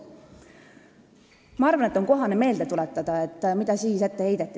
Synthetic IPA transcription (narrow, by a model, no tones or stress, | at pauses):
mɑɑrvɑne̞t̪ːˑo̞nko̞ɦɑneme̞ːld̪̥e̞t̪ulɛt̪ːˑɑd̪̥ɑe̞t̪ːˑmid̪̥ɑsiːse̞t̪ːehe̞jd̪̥et̪ˑːi